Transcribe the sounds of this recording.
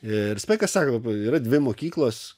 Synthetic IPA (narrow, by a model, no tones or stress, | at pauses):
ɪɾspɐɪkɐssɑːkot̪piːɾɐd̪ʲʋʲɪmoːkʲiːklˠoːs